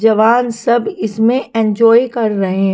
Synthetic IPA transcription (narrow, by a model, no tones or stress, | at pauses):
d͡ʒɐʋaːnsɐbɪsmẽʔẽːnd͡ʒɔːikɐɾːɐɦeɦ